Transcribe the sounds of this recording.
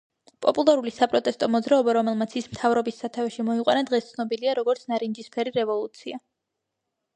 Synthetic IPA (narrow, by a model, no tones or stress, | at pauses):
pʼɔpʼulˠaɾulisapʼɾɔt̪ʼɛst̪ʼɔmɔd̪zɾaɔbaɾɔmɛlˠmat̪sʰismt̪ʰavɾɔbisːat̪ʰavɛʃimɔiqʼwanad̪ʁɛst̪sʰnɔbiliaɾɔɡɔɾt̪sʰnaɾind͡ʒispʰɛɾiɾɛvɔlˠut̪sʰia